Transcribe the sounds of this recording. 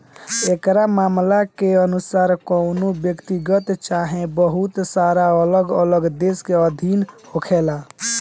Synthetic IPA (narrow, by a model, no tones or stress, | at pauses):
ekɾamamlakeənusaːɾkɔʊnobjəkt̪iɡət̪t͡ʃaɦẽbəɦut̪saɾaələɡələɡd̪eskeəd̪ʱinhokʰela